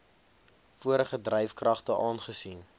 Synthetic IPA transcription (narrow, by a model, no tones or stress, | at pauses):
fuəɾəχədrɛjfkrɐχtəʔɑːnχəsin